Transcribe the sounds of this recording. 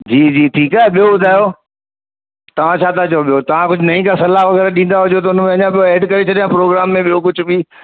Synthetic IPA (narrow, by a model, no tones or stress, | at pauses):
d͡ʑiːd͡ʑiːʈʰiːkaːɦeɓijoɓʊd̪ʱaːjo | t̪ɐʋ̤ãt͡ɕʰaːt̪ʰat͡ɕɐjoɓijot̪ɐʋ̤ãkʊd͡ʑʱʊnɐĩkasɐlaʋɐɣɛːɾaɗĩːn̆d̪aɦʊd͡ʑot̪̬ɐʊnmẽɐɲãɓijoeːɖkɐɾet͡ɕʰɐɗijãpɾoːɡɾaːmːẽɓijokʊd͡ʑʱʊbiː